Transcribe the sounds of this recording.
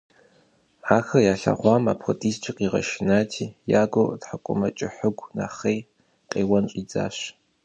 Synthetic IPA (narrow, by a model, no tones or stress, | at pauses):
aːxɐjaːɬa̰ʁʷɑːma̰ːpʰxotʼiːst͡ʃʼɪqiːʁɐ̰ʃɪnaːtʰiːjaːɡʷotħakʷʼʊ̰mɐt͡ʃʼɪħɨɡʷna̰ːχej | qʼeːwɐnɕʷʼid͡za̰ːɕ